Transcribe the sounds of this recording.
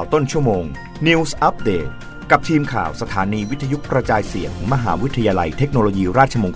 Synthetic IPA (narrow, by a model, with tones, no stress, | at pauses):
wt̪o˥˩nt͡ɕʰu˥˩moː˧ŋ | ni˧wsʔa˦˥p̚deː˨˩t̪̚ | ka˨˩p̚t̪ʰiː˧mkʰa̰ː˨˩wsa˧t̪ʰaː˩˦niː˧wi˦˥t̪ʰːa˧ju˦˥kɾa˧t͡ɕaː˧jsi˨˩ət̪ʰɯ˩˦ŋma˧ɦa̰ː˩˦wi˦˥t̪ʰa˧jaː˧la˧jt̪ʰe˦˥k̚noː˧loː˧jiː˧ɾaː˥˩t̪̚t͡ɕʰa˧moː˧ŋk